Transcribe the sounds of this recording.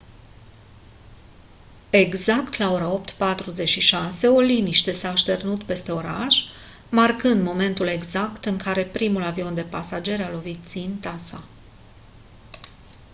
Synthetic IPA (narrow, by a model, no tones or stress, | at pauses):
e̞ɡzakt̪lao̞ɾao̞pt̪pat̪ɾuze̞t͡ʃʃiʃase̞o̞liniʃt̪e̞saːʃt̪e̞rnut̪pe̞st̪e̞o̞ɾaʃ | markɨnd̪mo̞me̞nt̪ule̞ɡzakt̪ɨŋkaɾe̞pɾimulavio̞nd̪e̞pasad͡ʒe̞ɾalo̞vit̪̚sint̪asa̰